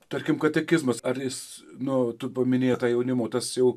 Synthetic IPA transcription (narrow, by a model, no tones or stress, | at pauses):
t̪ɐrʲkʲɪmkɐt̪ʲɛkʲɪzmɐsɐrjɪs | nʊt̪ʊpɐmʲɪnʲeːjɛt̪ɑːjɛʊnʲɪmoːt̪ɐsjɛʊ